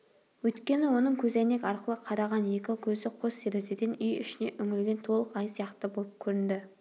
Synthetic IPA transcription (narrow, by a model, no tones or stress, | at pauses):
wɵjt̪kʲe̞nɪwo̞nəɴkʲʰɵzæne̞kʲɑɾqəlˠəqʰɑɾɑʁɑnje̞kʲɪkʲʰɵzɪqʰoseɾezed̪enʏjʏʃɪne̞ʔʏŋɪlɡʲe̞nt̪ʰo̞lˠəqɑjsijɑqt̪əbo̞lˠəp̚kʲʰɵɾɪnd̪ɪ